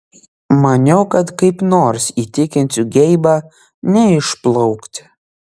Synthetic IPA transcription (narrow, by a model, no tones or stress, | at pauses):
mɐnʲɛʊkɐt̪kɐɪpnoːɾsiːt̪ʲɪkʲɪnʲsʲʊɡʲɛɪbɑ | nʲɛɪʃplˠɔʊkt̪ʲ